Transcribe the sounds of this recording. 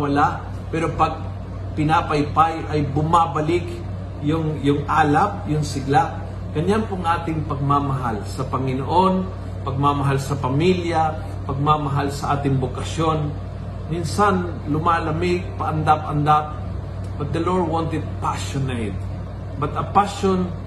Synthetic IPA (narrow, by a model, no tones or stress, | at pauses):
wɐlaʔ | pɛːɾopɐɡ̚ | pɪnapɐjpajʔɐjbʊmabɐlɪk | jʊŋjʊŋʔaːlap̚jʊŋsɪɡlaʔ | ɡ̥ɐɲːanpoŋʔaːt̪ɪŋpɐɡ̚mamɐɦalsɐpɐŋɪnoʔo̞n | pɐɡ̚mamɐɦalsɐpɐmilja | pɐɡ̚mamɐɦalsɐʔaːt̪ɪŋbokɐʃjo̞n | minsan | lʊmalɐmɪɡ̚pɐʔɐnd̪apʔɐnd̪ap̚ | b̥ɐt̪̚d̪ɐloɹd̪̚wont̪ɛd̪̚paʃonejt̪̚ | bɐt̪ɐpaʃon